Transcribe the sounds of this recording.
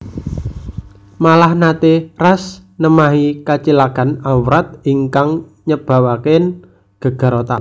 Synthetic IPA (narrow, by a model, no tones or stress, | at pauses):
malahnat̪erasnəmaɦikat͡ʃilakanawɾat̪̚iŋkaŋ | ɲəb̥a̤waken | ɡ̥ə̤ɡ̥ə̤ɾot̪a̰n